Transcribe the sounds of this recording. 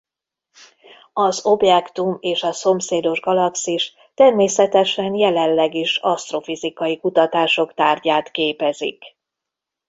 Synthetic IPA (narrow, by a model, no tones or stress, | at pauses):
ɒzo̞bjɛkt̪umeːʃɒso̞mseːd̪o̞ʒɡɒlɒksiʃ | t̪ɛrmeːsɛt̪ɛʃɛnjɛlɛllːɛɡiʃɒst̪ro̞fizikɒjikut̪ɒt̪aːʃo̞kt̪aːrɟaːt̪keːpɛzḭk